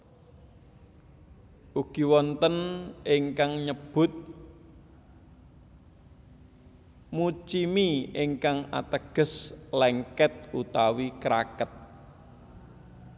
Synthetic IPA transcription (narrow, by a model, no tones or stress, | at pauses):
ʔuɡ̥i̤wɔnt̪ənɪŋkaŋɲəb̥ʊ̤t̪̚ | mut͡ʃimiiŋkaŋa̰t̪əɡ̥ə̤slɛŋkɛt̪̚ut̪awikɾa̰kət̪̚